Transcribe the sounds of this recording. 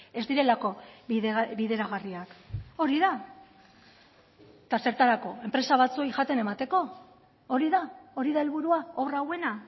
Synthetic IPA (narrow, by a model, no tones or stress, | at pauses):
e̞zd̪iɾe̞lako̞ | βiðe̞ɾaɣariako̞ɾiða | t̪ase̞ɾt̪aɾako̞e̞mpɾe̞saβ̞at͡suo̞jʝat̪e̞ne̞mat̪e̞ko̞ | oɾiðao̞ɾiðae̞lβuɾuaoβrawe̞na